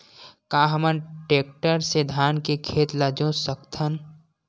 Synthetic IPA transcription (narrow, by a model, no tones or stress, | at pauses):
kãːɦəmənʈeːk̚ʈəɾsed̪ʱaːnkekʰeːt̪lad͡ʒõsəkt̪ʰən